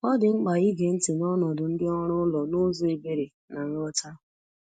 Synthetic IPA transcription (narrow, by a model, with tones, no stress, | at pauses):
ɔ˦dɪ˨ŋ͡m̩˦k͡pa˨i˦ɡe˨n̩˦tɪ˨nɔ˦nɔ˨dʊ˨n̩˦dɪ˦ɔ˦ɾʊ˦lɔ˨nʊ˦zʊ˦e˨be˦ɾe˨ | na˨n̩˦ɾɔ˦ta˦